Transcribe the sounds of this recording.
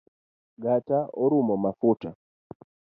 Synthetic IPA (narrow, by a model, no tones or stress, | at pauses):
ɡataɔɾumɔmafuta